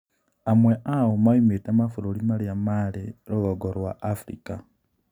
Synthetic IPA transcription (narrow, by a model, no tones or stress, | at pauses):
amweʔawomaimetamafuɾulimalijamaliɾoɣoɡoɾwaʔːfɾḭka